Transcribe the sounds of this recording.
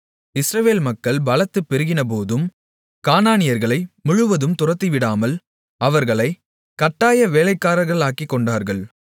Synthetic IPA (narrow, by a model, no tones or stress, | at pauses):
ɪsɾɐʋeːlmɐkːɐɭbɐlɐt̪ːɯpːɛɾɯɣɪnɐp̬oːðɯm | kaːnaːnɪjɐɾɣɐɭɐɪmʊɻʊʋɐðɯmt̪ʊrɐt̪ːiʋɪɽaːmɐl | ɐʋɐɾɣɐɭɐɪ | kɐʈːaːjɐʋeːlɐɪkːaːɾɐɾɣɐɭaːkːikːɔɳɖaːɾɣɐɭ